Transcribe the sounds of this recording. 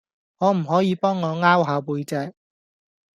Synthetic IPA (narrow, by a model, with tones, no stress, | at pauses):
ŋɔː˨˧m̩˨˩ɦɔː˨˥jiː˨˧pɔː˥ŋːɔː˨˧ŋaː˥wɦaː˨˧wpuː˨˧jt͡sɛː˧k̚